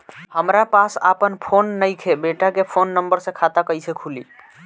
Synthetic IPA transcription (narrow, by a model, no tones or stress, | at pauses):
həmɾapasa̰pənpʰonːəjkʰebeʈakepʰonːəmbəɾsẽkʰat̪akəjsekʰulḭ